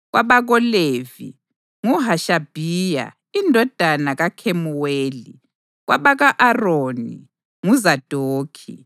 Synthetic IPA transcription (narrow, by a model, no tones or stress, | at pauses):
ɣwaβaɣɔleːvḭ | ŋuɦaʃab̥ʱiːja̰ | indʱɔd̥ʱanaɣakʰemuweːli | ɣwaβaɣaʔaroːnḭ | ŋuzad̥ʱoːkʰḭ